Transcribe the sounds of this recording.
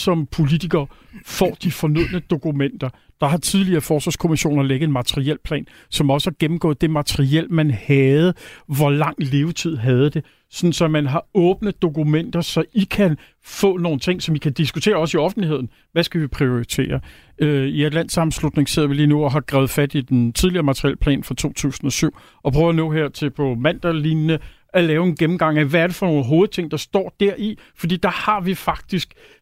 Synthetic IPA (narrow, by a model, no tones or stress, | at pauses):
sɒ̽mpʰo̝lit͡sʰiɡ̥ɐː | fɒ̰ːd̥ifɒ̽nøð̰ˠnəd̥o̝kʰumen̰d̥ɐ | d̥ɑ̈ɦɑ̈t͡sʰiðˠliɐːfɒːsʋɑ̈ːskʰo̝miɕo̝̰ːnɐleɡ̥ð̩enmæt͡sʰəʁiel̰pʰlɛ̰ːn | sɒ̽mɒ̽səhɑ̈ɡ̥em̩ɡ̥ɔ̽ːð̩ˠd̥e̝mæt͡sʰəʁiel̰mænhæð̞̩ˠʋɒlɑ̈ŋ̰le̝ːʊt͡sʰið̰ˠɦæð̞̩ˠd̥e̝ | sɒ̽n̩sɒ̽mænɦɑ̈ɔ̽ːb̥nəð̩ˠd̥o̝kʰumen̰d̥ɐsɒ̽ikʰæn | fɔ̰̽ːno̝ːn̩t͡sʰe̝ŋ̰sɒ̽mikʰæd̥isɡ̥ut͡sʰe̝̰ːɐɒ̽siɒ̽fn̩liɦe̝ð̰ˠn̩ | ʋæsɡ̥æʋipʰʁio̝it͡sʰe̝̰ːɐ | øiæd̥læn̰sɑ̈m̩slud̥ne̝ŋse̝ð̰ˠɐʋiliːnuɒɦɑ̈ɡ̥ʁɛ̰ːð̩ˠfæd̥id̥ent͡sʰið̞ˠliɐːmɑ̈t͡sʰʁiɛ̰ːlpʰlɛ̰ːnfʁɑ̈t͡sʰo̝̰ːt͡sʰṵːsn̩ɒ̽syʊ̰ | ɒ̽pʰʁœːʊɐnɔ̰̽ːɦeɐ̰t͡sʰe̝pʰɒ̽mæn̰d̥ælinnə | ælɛːʊe̝nɡ̥emm̩ɡ̥ɑ̈ŋ̰æʋææɐɾ̥e̝fɒ̽no̝ːnɦo̝ːð̞̩ˠt͡sʰe̝ŋ̰d̥ɑ̈sd̥ɒ̰ːd̥æɐ̰ifɒd̥ḭːd̥ɑ̈hɑ̈ʋifɑ̈ɡ̥̚d̥isɡ̥